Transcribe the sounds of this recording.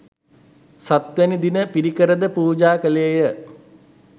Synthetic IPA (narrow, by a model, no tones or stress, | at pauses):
sat̪ʋænid̪inəpiɾikəɾəd̪əpuːd͡ʒaːkəleːjə